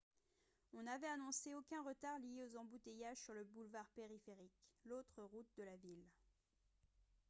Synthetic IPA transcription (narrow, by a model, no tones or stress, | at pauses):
ɔ̃navɛanɔ̃seokʲɛ̃ʁət̪aʁlijeozɑ̃but̪ejaʒsyʁləbulvaʁpeʁifeʁiklot̪χəʁut̪̚d̪əlavil